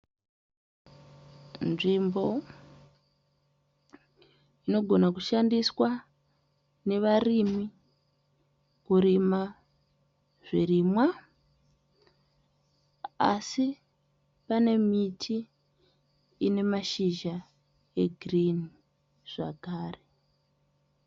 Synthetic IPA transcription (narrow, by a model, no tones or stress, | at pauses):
nʐimbo̞ | ino̞ɡʱonakuʃandiswa | ne̞ʋarimi | kuɾima | ʐ̥irimwa | a̰si | pane̞mitʰi | ne̞maʃiʒa | e̞ɡʱrin | ʐ̥a̰kaːre